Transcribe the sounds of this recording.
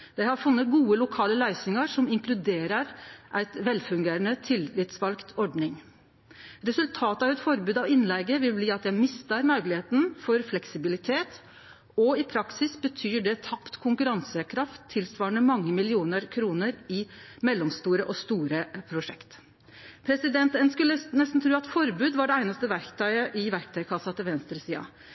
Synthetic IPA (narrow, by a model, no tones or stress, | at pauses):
d̪̥æɪhɑɾfʉnːət̪̚ɡuːəlʊkʰɑːləlæɪsɪŋəɾʂɔmɪŋklʉd̪eːɾəɾʔæɪt̪ʋɛlfʉŋɡeːɾənət̪ʰɪlɪt̪sʋɑlkt̪ʰɔɖɳɪŋ | ɾɛsʉlt̪ʰɑːt̪əɑʋɛt̪fɔɾbʉːd̪ɑʋɪnlɛɡəʋɪlbliːɑt̪jæɪmɪst̪əɾmœɡlɪheːt̪n̩fɔɾflɛksɪbɪlɪt̪ʰeːt̪ | ɔɪpʰɾɑksɪsbət̪ʰyːɖɛt̪ʰɑpt̪kʰʊŋkʉɾɑnsəkʰɾɑft̪ʰːɪlsʋɑːəɳəmɑŋːəmɪlɪuːnəɾkʰɾuːnəɾɪmɛlːɔmst̪uːɾəʔɔst̪uːɾəpʰɾʊʂɛkt̪ | pʰɾɛsɪd̪ɛnt̪ɛnskʉlːənɛst̪n̩t̪ʰɾʉːɑt̪fɔɾbʉːd̪ʋɑɖɛæɪnɑst̪əʋæɾkt̪ʰɑʏɪəʔɪʋæɾkt̪ʰɑɪkʰɑsːɑt̪ʰɪlʋɛnst̪ɾəsiːɑ̰